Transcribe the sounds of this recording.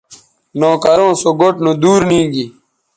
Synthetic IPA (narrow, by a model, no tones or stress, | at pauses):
noːkɐɾõːsoɡoʈnõːd̪uːɾnĩːɡi